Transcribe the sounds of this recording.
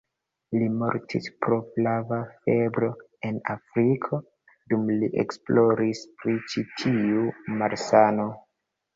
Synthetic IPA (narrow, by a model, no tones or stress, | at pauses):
limoɾtʰispɾo̞flavafe̞bɾo̞ | enafɾikʰo̞ | dumliʔḛksploɾispɾit͡ʃitʰiumaɾsano